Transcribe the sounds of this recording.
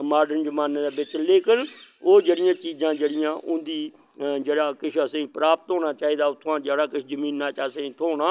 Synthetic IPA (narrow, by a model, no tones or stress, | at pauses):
maːɾɖənd͡ʒəmaːnːd̪aːbɪt͡ʃleːkɪnoːd͡ʒeːɽɪjãːt͡ʃiːzãːd͡ʒeːɽɪjãːʔʊ̃nd̪iː | d͡ʒeːɽaːkɪʃʰəsẽĩːpɾaːpət̪ɦõːñaːt͡ʃaːiːd̪aːʊt̪ʰːãːd͡ʒeːɽaːkɪt͡ʃʰzəmĩːnːaːt͡ʃəsẽːĩːt̪ʰoːnaː